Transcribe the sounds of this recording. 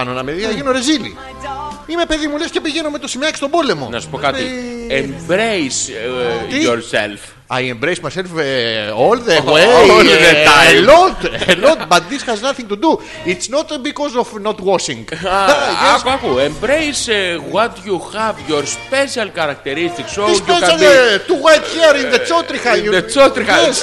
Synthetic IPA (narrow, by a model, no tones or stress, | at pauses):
ɐnonɐmeðiɐeʝinoɾezilḭ | ime̞pe̞ðimulesce̞piʝe̞nomet̪osimɐcki̥st̪o̞bo̞le̞mo̞̰nɐsu̥pokɐtiembɾejs | ioɾsḛlf | ajembɾejsmajselfolðeweoleelot̪elot̪bɐt̪ðisxɐznɐθĩŋk̚t̪ud̪u | it̪snot̪bikozofnot̪wɔʃĩŋɡ | ɐkuembɾejswot̪juxɛvʝoɾspesiɐlkɐɾɐk̚t̪eɾist̪iksoispesalt̪uwajt̪çiɾĩnðet͡ʃot̪ɾixaet͡ʃot̪ɾies